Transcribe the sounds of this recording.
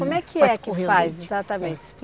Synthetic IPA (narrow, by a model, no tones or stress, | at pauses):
õmɛkʰɪɛkɪifajzezat̪ɐmẽt͡ʃɪp